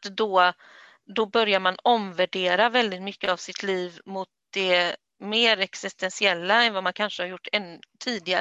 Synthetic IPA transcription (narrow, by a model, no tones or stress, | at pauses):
d̪ɔ | d̪ɔbœɾjaɾmanɔmvæɖeːɾavɛld̪ɪt̪mʏkːəavsɪt̪ʰliːvmʊt̪̚d̪̥ɛ | meːɾɛksɪst̪ɛnsɪɛlːaɛnvamankʰanʂəhaɾjʊʈːɛnt̪ʰiːd̪ɪɡa